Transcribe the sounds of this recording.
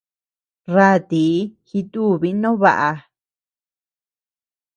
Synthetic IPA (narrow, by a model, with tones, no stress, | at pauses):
ra˦˧˨t̪i˨˦xi˧t̪u˦˨βi˧˦nõ˦βa˧ʔa˧